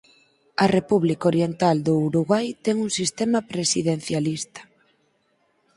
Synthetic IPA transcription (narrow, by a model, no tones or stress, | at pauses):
ɐrepuβlikoɾjent̪ald̪ʊuɾuɣwajt̪ɛŋuŋsist̪emɐpɾesiðen̟θjalist̪ɐ̥